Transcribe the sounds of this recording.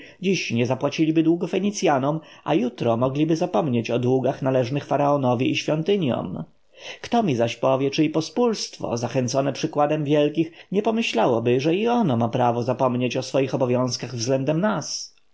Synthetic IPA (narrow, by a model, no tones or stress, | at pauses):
d͡ʑiɕɲɛzapwat͡ɕilʲibɘd̪wuɡɔfɛɲit̪sʲjanɔmʔa̰jut̪ɾɔmɔɡlʲibɘzapɔmɲet͡ɕɔd̪wuɡaxnalɛʐnɘxfaɾaɔnɔvʲiʔiɕfʲjɔnt̪ɘɲjɔ̰m | kt̪ɔmʲizaɕpɔvʲjɛt͡ʂɘipɔspulst̪fɔ̰zaxɛnt̪sɔnɛpʂɘkwad̪ɛmvʲjɛlkʲixɲɛpɔmɘɕlawɔbɘʐɛiɔnɔmapɾavɔzapɔmɲet͡ɕɔsfɔjixɔbɔvʲjɔ̃w̃skaɣvzɡlɛnd̪ɛmnas